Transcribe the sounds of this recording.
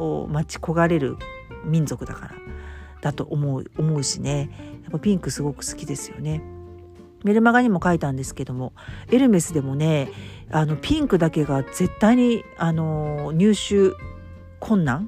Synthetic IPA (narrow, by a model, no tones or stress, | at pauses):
o̰mat͡ɕi̥ko̞ɡaɾe̞ɾɯ̟̰ | mʲĩnd͡zo̞kɯ̟d̪akaɾa̰d̪̥at̪o̞ʔomoɯ̟omo̞ɯ̟ɕine̞japːapʲĩŋkɯ̟sɨɡo̞kɯ̟̥sɨ̥kʲid̪e̞sɨjo̞̰ne̞ | me̞ɾɯ̟maɡaɲ̟imo̞kait̪ãnd̪e̞sɨ̥ke̞d̪o̞mo̞e̞ɾɯ̟me̞sɨd̪e̞mo̞ne̞ | ano̞pʲĩŋkɯ̟d̪ake̞ɡaze̞t̪ːaiɲ̟iano̞ɲ̟ɨːɕɨː | kʰõ̞nːãŋ